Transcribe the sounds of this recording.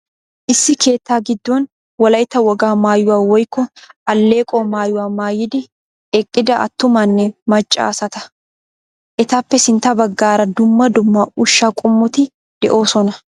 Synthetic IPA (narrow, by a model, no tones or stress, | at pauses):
ʔɪsːɪkʰe̞ːt̪ːaːɡɪd̪ːoːn | wɐlɐjt̪ɐwɐɡaːmaːjʊwaːwɔjkːɔʔɐlːe̞ːkʼɔːmaːjʊwaːmaːjɪd̪ɪ | ɛkʼːɪd̪ɐʔɐ̰t̪ːʊmɐnːɛmɐt͡ʃʼːa̰ːsɐt̪ɐ̥ | ʔɛt̪ɐpːɛsɪnt̪ɐbɐɡːaːɾɐd̪ʊmːɐd̪ʊmːɐʊʃːakʼʊmːʊt̪ɪ | d̪̥ɛʔo̞ːsɔnɐ